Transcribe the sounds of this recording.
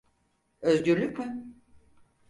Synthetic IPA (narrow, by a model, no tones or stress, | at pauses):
øzɟyɾlʲycʲmɪ